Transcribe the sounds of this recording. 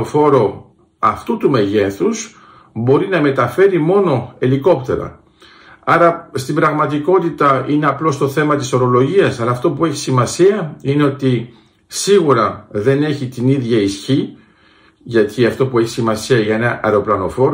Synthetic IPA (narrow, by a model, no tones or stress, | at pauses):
ofo̞ɾo̞ | ɐft̪ut̪ume̞ʝe̞θuz | bo̞ɾinɐme̞t̪ɐfe̞ɾimo̞no̞e̞liko̞pt̪e̞̰ɾɐ̰ | ɐɾɐst̪imbɾɐɣmɐt̪iko̞t̪it̪ɐine̞ɐplo̞st̪o̞θe̞mɐt̪iso̞ɾo̞lo̞ʝiɐsɐlɐːft̪o̞pue̞çi̥simɐsiɐine̞o̞t̪i | siɣuɾɐðe̞ne̞çit̪iniðʝɐisçi | ʝɐt̪ʰiɐft̪o̞pue̞çi̥simɐsiɐʝɐe̞nɐʔɐ̰ɾo̞plɐno̞fo̞ɾo